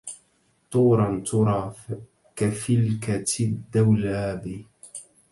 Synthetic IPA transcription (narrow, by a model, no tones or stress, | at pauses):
t̪ˤuːɾˤɑnt̪ʊɾˤɑː | kafɪlkat̪ɪd̪ːawlaːbɪ